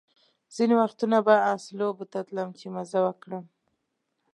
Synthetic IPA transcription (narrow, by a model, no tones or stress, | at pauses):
z̥inewaxt̪unabaɑslobət̪at̪ləmt͡ʃemazawəkɽəm